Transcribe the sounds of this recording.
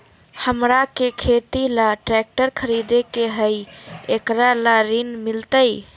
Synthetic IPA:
həmɾakekʰet̪ilaʈɾɛk̚ʈəɾkʰəɾid̪ekeɦəjekɾalaɾinmilt̪əj

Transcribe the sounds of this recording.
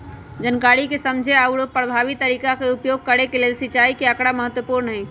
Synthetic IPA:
d͡ʒənkaɾikesəmd͡ʒʱeauɽopɾəbʱaʋit̪ːəɾiːkakeupjoɡ̚kəɾekelelsɪt͡ʃaikeəkɽaməɦət̪wəpuɾnəɦɛː

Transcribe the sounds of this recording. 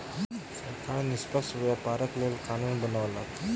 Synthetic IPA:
səkʰaɭnispəsʋjapaɾəklelkanunbənaʋlat

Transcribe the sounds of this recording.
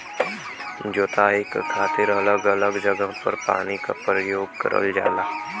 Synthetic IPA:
d͡ʒoːt̪aːɪkkʰaːt̪ɪɾələɡələɡd͡ʒəɡãpəɾpa̰ːnikapɾəjoːɡ̚kə̰ɾə̰ld͡ʒa̰ːlaː

